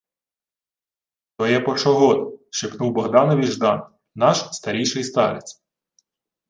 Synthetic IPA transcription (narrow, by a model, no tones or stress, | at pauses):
t̪ɔjɛpɔʃɔɦɔt̪ʃɪknuwbɔɦd̪ɑnɐʋʲiʒd̪ɑn | nɑʃst̪ɐɾʲijʃɪjst̪ɑɾɪ̰t͡sʲ